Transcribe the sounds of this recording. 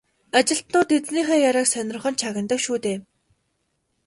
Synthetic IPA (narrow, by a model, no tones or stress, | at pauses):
at͡ɕɪ̆ɬt̪nʊːt̪et͡sniːχeːjaɾaːksœnʲrə̆χɞ̆nt͡ɕʰaɣʲə̆nt̪ə̆kʃuːt̪eː